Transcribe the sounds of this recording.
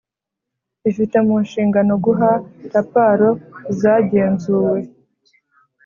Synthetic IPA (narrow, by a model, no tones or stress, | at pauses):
ifite̞munʃiːŋɡano̞ɡuɦaɾapaɾo̞zaːɟe̞ːnzuːwe̞